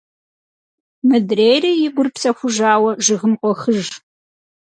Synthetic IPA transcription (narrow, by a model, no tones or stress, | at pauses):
mɨdrejrɐjɪɡʷʊrpsɐxʷʊʒaːwɐʒɪʁɨmqʷʼɔxɨʒ